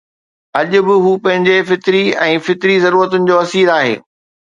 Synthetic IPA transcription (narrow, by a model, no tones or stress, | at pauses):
ɐʄʊ̆bɪɦuːpɐ̃ɦɪ̃ɲd͡ʑefɪt̪ɪɾiɛ̃ːfɪt̪ɪɾizɐɾuːɾət̪ʊnɪ̆d͡ʑoːɐsiːɾaːɦḛː